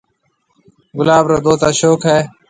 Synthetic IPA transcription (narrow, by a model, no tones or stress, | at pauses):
ɡʊlaːbɾoːd̪oːt̪aːʃoːkɦaeː